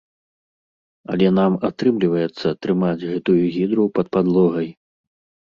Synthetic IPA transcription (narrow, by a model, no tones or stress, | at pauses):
ɐ̰lʲɛnamat̪ɾɨmlʲivɐjɛt̪sːɐt̪ɾɨmad͡zʲɣɛt̪ujuɣʲid̪ɾupɐt̪̚pad̪lˠɔɣɐj